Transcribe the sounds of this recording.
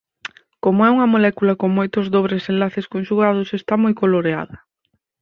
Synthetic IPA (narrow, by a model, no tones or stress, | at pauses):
komoɛuŋɐmolɛkulɐkoŋmojt̪ʊzðoβ̞ɾesẽnlaθeskõnʃuɣað̞ʊsest̪amojkoloɾea̰ðɐ